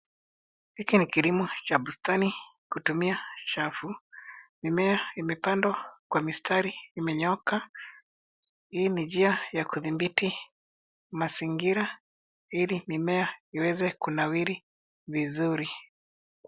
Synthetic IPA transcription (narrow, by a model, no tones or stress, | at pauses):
hikinikilimɔt͡ʃabustanikutumiat͡ʃafumimɛaimɛpandwakwamistʰaɾiːmɛɲɔka | inid͡ʒiajakuðimbiti | masiŋɡiɾa | ilimimɛaiwɛzɛkunawiɾi | vizuɾi